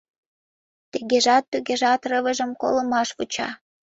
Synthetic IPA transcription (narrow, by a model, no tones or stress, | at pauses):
t̪iɣeʒɑt̪ːyɣeʒɑt̪rəβəʒə̆mko̰lə̆mɑʃβut͡ɕɑ̰